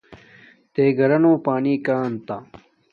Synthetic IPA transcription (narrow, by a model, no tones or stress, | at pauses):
t̪eːɡʱɐɾɐnoːpaːniːkaːnt̪a